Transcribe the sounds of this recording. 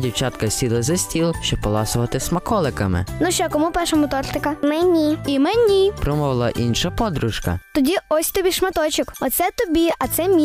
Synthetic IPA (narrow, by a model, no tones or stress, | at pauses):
dʲiwt͡ʃɑt̪kɐsʲilˠɐzɐsʲtʲilˠʃt͡ʃɔpɔlˠɑsʊʋɐt̪ɪsmɐkɔlˠɪkɐmɪ̰nʊʃt͡ʃɔkɔmupɛʃɐmɔt̪ɔrt̪ɪkɐmɛnʲiimɛnʲipɾɔmɔʋlˠɐʔinʃɐpɔd̪ɾʊʃkɐ̰t̪ɔdʲiɔsʲt̪ɔbʲiʃmɐt̪ɔt͡ʃɪkɔt̪sɛt̪ɔbʲiɐt̪sɛmʲi